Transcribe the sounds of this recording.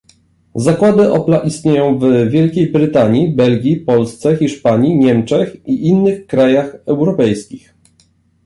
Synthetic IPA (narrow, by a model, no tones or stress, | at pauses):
zakwad̪ɘʔɔplaʔist̪ɲejɔ̃w̃vvʲjɛlkʲejbɾɘt̪aɲibɛlɡʲipɔlst̪sɛxʲiʂpaɲiɲɛmt͡ʂɛxiʔinːɘxkɾajaxɛwɾɔpɛjskʲix